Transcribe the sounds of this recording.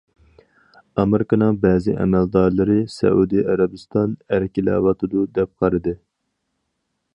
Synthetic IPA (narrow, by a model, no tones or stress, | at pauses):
ɑmeɾɪkənɨŋbɛːzɪʔɛ̰mæld̪ɑɾlˠɨɾɨsɛ̰ud̪ɨɑɾɑbɨst̪ɑnæɾkʲʰilɛ̰wɑt̪ʰɨd̪ud̪ɛp̚qʰɑɾɨd̪ɨ